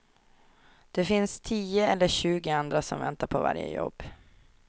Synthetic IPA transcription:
d̪̥ɛfɪnst̪ʰiːəɛlːəɕʉ̟ːɡɪand̪ɾasɔmvɛ̰nt̪aɾpʰɔva̰ɾjə̰jɔ̰bː

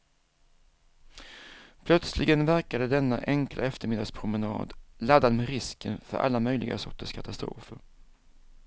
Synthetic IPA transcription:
pʰlœt̪slɪɡənvæɾkad̪əd̪ɛnːa̰ʔɛŋklʔa̰ɛft̪əɾmɪd̪aspʰɾʊmənɑ̰ːd̪lad̪ːad̪mɛɾɪskənfœ̰ɾʔa̰lːamœjlɪɡa̰sɔʈːəʂkʰat̪ast̪ɾo̰ːfəɾ

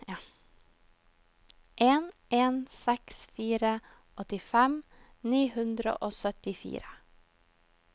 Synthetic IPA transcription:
ʔeːnʔeːnsɛksfiːɾə | ʔɔt̪ɪfɛm | niːhʉnd̪ɾə̰ʔoːsœt̪ɪfḭːɾə

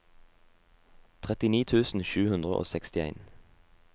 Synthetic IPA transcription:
t̪ʰʁɛt̪ɪniːt̪ʰʉːsn̩ʃʉːhʉnd̪ʁəʔo̰ːsɛkst̪ɪḛɪn

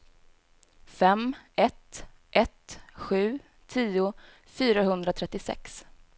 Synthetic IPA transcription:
fɛmɛt̪ʔɛt̪ɧʉ̟ː | t̪ʰiːʊ | fyːɾaɦɵnd̪ɾat̪ʰɾɛt̪ːɪsɛ̰ks

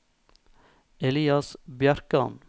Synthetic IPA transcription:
ɛliːɑsbjæɾkəɑ̰n

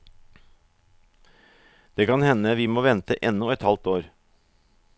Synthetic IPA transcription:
d̪̥eːkɑnhɛnəʋiːmoːʋɛnt̪əʔɛnːɔɛt̪hɑlt̪oːɾ

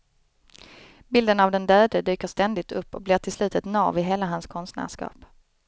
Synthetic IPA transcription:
bɪld̪ənavd̪ɛnd̪øːd̪əd̪yːkəʂt̪ɛnd̪ɪt̪ʰɵpːɔ̰k̚blɪːʈʰɪlslʉ̟ːt̪ət̪nɑ̰ːvɪɦeːlaɦanskʰɔnst̪næ̰ːʂkɑ̰ːp

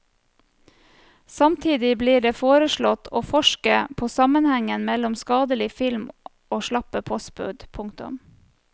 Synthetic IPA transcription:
sɑmt̪ʰiːd̪ɪbliːɖeːfoːɾəʃɭɔt̪ʰoːfɔʃkəpʰoːsɑmənhɛŋənmɛlʊmskɑːd̪əlɪfɪlm | ʔoːʃlɑpəpʰɔsbʉ̰d̪pʰʊŋkt̪ʊ̰m

